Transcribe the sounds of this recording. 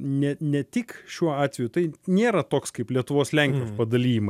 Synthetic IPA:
nʲɛnʲɛt̪ʲɪkʃʲuɔɑːt̪ʲʋʲɛjʊt̪ɐɪnʲeːɾɐt̪oːkskɐɪplʲiɛt̪ʊʋoːslʲɛŋʲkʲjoːspɐd̪ɐlʲiːjɪmɐ

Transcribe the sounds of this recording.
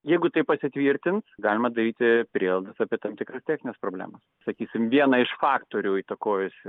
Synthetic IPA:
jɛɪɡʊt̪ɐɪpɐsʲɪt̪ʲʋʲiːɾʲt̪ʲɪnsɡɑːlʲɪmɐd̪ɐɾʲiːt̪ʲɪpʲɾʲiɛlˠd̪ɐsɑːpʲiɛt̪ɐmt̪ʲɪkɾɐst̪ʲæːxʲnʲɪnʲɛspɾoːbʲlʲæ̰ːmɐssɐkʲiːsʲɪmʋʲiɛnɐɪʃfɑːkt̪oːɾʲuːiːt̪ɐkoːjʊsʲɪ

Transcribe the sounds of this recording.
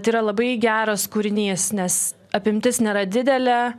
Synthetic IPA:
t̪iːɾɐlˠɐbɐɪɡʲæːɾoːskuːɾʲɪnʲiːsnʲɛs | ɐpʲɪmʲt̪ʲɪsnʲeːɾɐd̪ʲɪd̪ʲɛlʲɛ

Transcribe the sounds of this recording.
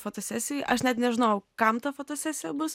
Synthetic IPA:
foːt̪oːsʲæsʲɪjɛʔɐʃnʲɛt̪nʲɛʒʲɪnoːjʊkɐmt̪ɐfoːt̪oːsʲæːsʲɪjɛbʊs

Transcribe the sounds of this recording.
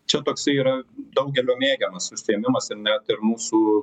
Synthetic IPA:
t͡ʃʲɛt̪oːksɐɪiːɾɐd̪ɐʊɡʲɛlʲoːmʲeːɡʲɛmɐsʊʃʲsʲɪɛmʲɪmɐsɪnʲæt̪ɪɾmuːsuː

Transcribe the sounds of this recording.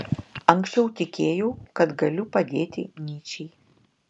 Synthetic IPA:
ɐŋʲksʲt͡ʃʲɛʊt̪ʲɪkʲeːjoːkɐt̪ɡɐlʲʊpɐd̪ʲeːt̪ʲɪnʲiːt͡ʃʲɛ

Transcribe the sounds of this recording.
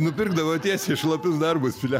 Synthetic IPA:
nʊpʲɪrɡd̪ɐʋoːt̪ʲiɛsʲeːʃlˠɐpʲɪsd̪ɐrbʊsfʲɪlʲæ

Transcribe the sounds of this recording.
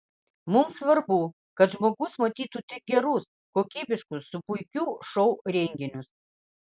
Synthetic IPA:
mʊmsʋɐɾbu | kɐt̪ʒmoːɡʊsmɐt̪ʲiːt̪uːt̪ʲɪk̚ɡʲɛɾʊs | koːkʲiːbʲɪʃkʊsːʊpʊɪkʲuːʃɔʊɾʲɛŋʲɡʲɪnʲʊs

